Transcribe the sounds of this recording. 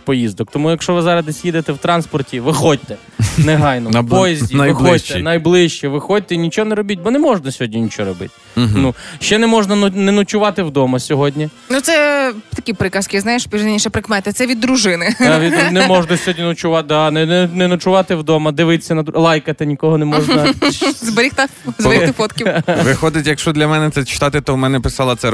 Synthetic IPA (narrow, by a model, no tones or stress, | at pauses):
pɔjizd̪ɔkt̪ɔmujɐkʃɔʋɪzɑɾɐd̪ɪsʲjid̪et̪ɛwt̪ɾɑnspɔrtʲiʋɪxɔd̚ʲt̪ɛ | nɛɦɑjnɔpɔjɛzʲdʲixɔt̪ɛ̰nɐjblˠɪʃt͡ʃɛʋɪxɔd̚ʲt̪ɛinʲit͡ʃɔɔnɛɾɔbʲitʲbɔnɛmɔʒnɐsʲɔɦɔdʲnʲinʲit͡ʃɔɾɔbɪ̰t̚ʲ | nuʃt͡ʃɛnɛmɔʒnɐnʊnɛnʊt͡ʃʊʋɑt̪ɪwd̪ɔmɐsʲɔɦɔdʲnʲi | nut̪sɛt̪ɐkʲipɾɪkɐskʲiznɑjeʃpʲiɾnenʲiʃɛpɾɪkmɛt̪ɪt̪sɛʋʲid̪ːɾʊʒɪnɪʋʲinɛmɔʒnɐsʲɔɦɔdʲnʲinʊt͡ʃʊʋɑd̪ɑnɛnɛnʊt͡ʃʊʋɑt̪ɪwd̪ɔmɐd̪ɪʋɪt̪ɪ̥sʲɐnɐd̪lˠɑjkɐt̪ɪnʲikɔɦɔnɛmɔʒɐzbɐɾʲixt̪ɪzɾit̪ɪfɔt̪kʲiʋɪxɔd̪ɪtʲjɐkʃt͡ʃɔd̪lʲɐmɛnɛt̪sɛt͡ʃɪ̥t̪ɑt̪ɪt̪ɔmɛnɛpɪsɑlˠɐt̪sɛ